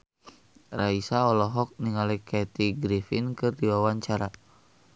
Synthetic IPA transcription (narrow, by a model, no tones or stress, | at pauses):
raisaɔlɔɦɔk̚niŋalikɛt̪iɡɾifinkɨrdiwawaɲt͡ʃaɾa